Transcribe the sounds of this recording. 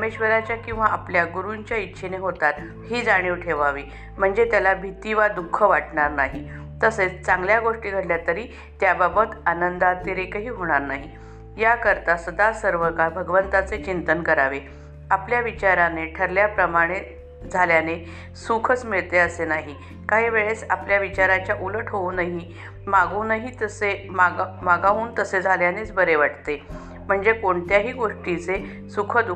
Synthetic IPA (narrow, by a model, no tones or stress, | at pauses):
əmeɕʋəɾat͡ɕjakĩw̃ʋaapljaɡuɾuɲt͡ɕjaitːɕʰeneɦot̪at̪ | ɦiːd͡zaɽ̃iʋʈʰeʋaʋi | m̤əɳd͡zet̪jalabʱit̪iʋad̪ukʰːəʋaʈɳaɾnaɦi | t̪əset͡st͡saŋɡljaɡoʂʈiːɡʱəɽljat̪əɾiː | t̪jababət̪anənd̪at̪iɾekaɦiːɦoɽ̃aɾnaɦi | jakəɾt̪asəd̪asəɾʋəkaɾbʱəɡʋənt̪at͡set͡ɕint̪ənkəɾaʋe | apljaʋit͡ɕaɾaneʈʰəɾljapɾəmaɽ̃e | d͡zʱaljane | sukʰət͡smiɭt̪eəsenaɦi | kaɦiʋeɭesapljaʋit͡ɕaɾat͡ɕjaʔuləʈʰɦounaɦi | maɡunaɦit̪əsemamaɡauːnt̪əsed͡zʱaljanet͡sbəɾeʋaʈt̪e | m̤əɳd͡zekoɳt̪jaɦiːɡoʂʈit͡se | sukʰəd̪u